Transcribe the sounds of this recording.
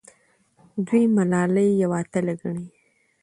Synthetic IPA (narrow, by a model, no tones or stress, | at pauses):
d̪wijmalɑləjːawɑt̪alaɡaɳi